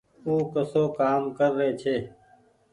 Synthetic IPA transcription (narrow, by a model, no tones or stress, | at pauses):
uːkəsoːkaːmkəɾːeːt͡ʃʰeː